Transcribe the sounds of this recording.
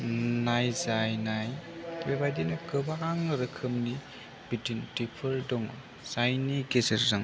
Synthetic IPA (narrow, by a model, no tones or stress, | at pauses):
najzajnajbebajdinɐkɯbaŋɾɯkʰɯmni | bitintipʰɯldɔŋ | z̥ajniɡezɐɾzaŋ